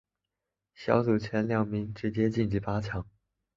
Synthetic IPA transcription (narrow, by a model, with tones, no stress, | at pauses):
ɕjɑ̰˧˥ʊt͡su˨˩t͡ɕʰjɛ˧˥nljɑ˥˩ŋmi˧˥ŋʈ͡ʂɻ̩˧˥t͡ɕjɛ˥t͡ɕi˥˩nt͡ɕi˧˩pa˥t͡ɕʰjɑ˧˥ŋ